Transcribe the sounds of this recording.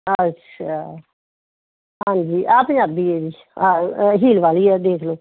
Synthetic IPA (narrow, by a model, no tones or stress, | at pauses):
əaː | ɦãːnd͡ʒiːʔaːpɲaːb̚d̪ieːdiː | aɦiːlʋaːliːɛːd̪eːkʰloː